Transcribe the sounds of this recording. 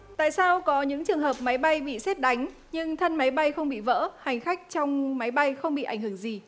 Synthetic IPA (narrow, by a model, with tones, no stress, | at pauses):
t̪a̰ː˧˨jsaː˧wkɔ˨˦ɲɨ̰˧˥ŋt͡ɕɨ˨˩əŋɦəː˨˩p̚ma˨˦jɓa˧jɓḭ˧˨sɛ˦˥t̚ɗa˨˦jŋ̟ | ɲɨ˧ŋt̪ʰə˧nma˨˦jɓa˧jxə˧wŋ͡mɓḭ˧˨və̰ː˧˥ha˨˩jŋ̟xa˦˥k̚t͡ɕɔ˧wŋ͡mma˨˦jɓa˧jxə˧wŋ͡mɓḭ˧˨ʔa˧˩ŋ̟hɨ˧˩əŋzi˨˩